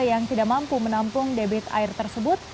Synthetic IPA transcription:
jaŋt̪idaʔmampumənampʊŋdebɪt̪a̰ɪrt̪ərsəbʊt̪̚

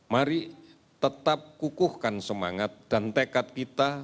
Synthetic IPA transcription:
maɾi | t̪ət̪ap̚kukʊhkansəma̰ŋat̪̚d̥ant̪ekat̪̚kit̪a

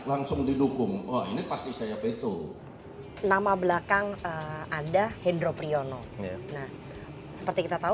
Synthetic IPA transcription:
laŋsʊŋdidukʊŋwainipast̪isajapait̪u | namabəlakaŋəmadahendɾopɾiono | nah | sə̥pərt̪ikit̪at̪au

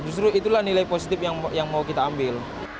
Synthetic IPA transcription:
d͡ʒust̪ɾuit̪ulahnilajposit̪ɪpjajaŋmaukit̪aːmbɪl

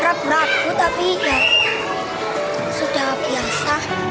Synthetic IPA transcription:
ɾəbɾaɡut̪apija | suɖ̥ahb̥iasa

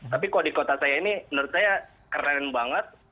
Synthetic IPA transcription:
t̪apikaldikot̪asajainimənəɾʊt̪̚saja | kərɛnbaŋət̪̚

